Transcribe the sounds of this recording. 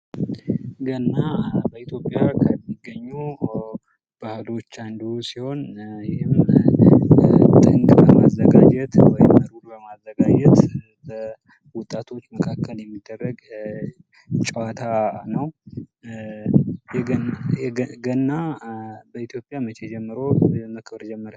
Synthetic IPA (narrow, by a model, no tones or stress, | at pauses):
ɡənːabəit̪ʰjo̞pʼːjakʰəmːiɡːəɲːu | b̥ahɨlo̞t͡ʃːand̪usiho̞njɛhɪm | t̪ʼɨŋkʼbəma̰zːəɡad͡ʒɛt̪wɔjɪmːəɾuɾbəmazːəɡad͡ʒɛt̪ | bə | wʊt̪ʼːat̪ʰo̞t͡ʃːməkʰakʰːəljɛmːid̪ːərːəɡ | t͡ʃʼɛwat̪ʰanəw | jɛɛɡənːabəit̪jo̞pʼjamət͡ʃed͡ʒɛmːɨɾo̞məkʰbɾd͡ʒɛmːəɾa